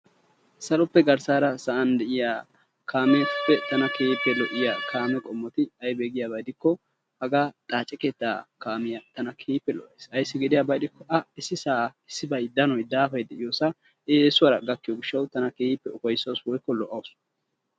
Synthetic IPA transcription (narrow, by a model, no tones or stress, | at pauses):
sɐlɔpːɛɡɐɾsaːɾɐsɐʔɐnd̪ɛʔɪjaː | kʰaːmepːɛt̪ɐnɐkeːɪpːɛlɔʔɪjakʰaːmɛkʼɔmːɔt̪ɪɐjbeːɡɪjaːbɐjd̪ɪkːɔ | hɐɡaːt̪ʼaːt͡ʃʼːɛkeːt̪ːaːkaːmɪjat̪ɐnɐkʰeːhɪpːɛlɔ̰ʔesɐjsːɪɡɪd̪ɪjaːbɐjd̪ɪkːɔʔɐɪsːɪsaːɪsːɪbɐjd̪ɐnɔjd̪aːfɐjd̪ɛʔɪjoːsɐ | eːsʊwɐɾɐɡɐkːɪjɔɡɪʃːɐwt̪ɐnɐkeːɪpːɛʊkɐjsːɐwswɔjkːɔlɔʔɐws